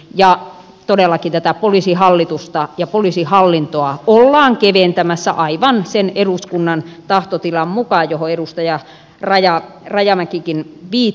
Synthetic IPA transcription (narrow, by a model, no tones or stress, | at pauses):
jɑ | t̪odelːˑɑkint̪æt̪æpolisihɑlːit̪ust̪ɑjɑpoliˑsihɑlːint̪oɑolːɑːŋkeʋent̪æmæsːæ̰ʔɑiʋɑnseneɾuskunːɑnt̪ɑht̪ot̪ilɑmmukɑjohoeɾust̪ɑjɑ | rɑjɑrɑjɑmækikinʋiː